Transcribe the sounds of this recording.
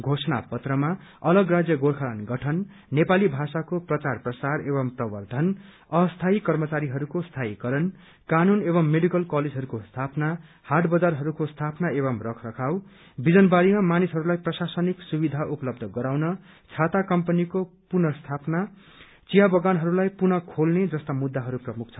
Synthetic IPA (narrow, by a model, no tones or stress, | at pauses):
ɡʱosʌna̰pʌt̪rʌmaʌlʌɡrad͡zjʌɡorkʰalanɡʌʈʰʌnː | epalibʱasakoprʌt͡sarprʌsareβʌmprʌbʌrd̪ʱʌn | ʌst̪ʰaikʌrmʌt͡saɾiɦʌɾukost̪ʰaikʌɾʌn | kanunebʌmːeɽikʌlkaled͡zɦʌɾukost̪ʰapna | haʈbʌd͡zarɦʌɾukost̪ʰapnaeβʌmrʌkʰrʌkʰaw | bid͡zʌnbaɽimamanisɦʌɾulajprʌsasʌniksubid̪ʱaʔupʌlʌb̚d̪ʱʌɡʌɾawnʌ | t͡sʰat̪akʌmpʌnikopunʌst̪ʰapna | t͡sijabʌɡanɦʌɾulajpunʌkʰolned͡zʌst̪amud̪ːaɦʌɾuprʌmuk̚t͡sʰʌ